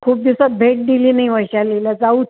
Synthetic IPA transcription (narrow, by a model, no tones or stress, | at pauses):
kʰuːp̚d̪iusat̪̚bʱeʈ̚d̪iliːnaiʋəjɕaleləd͡zau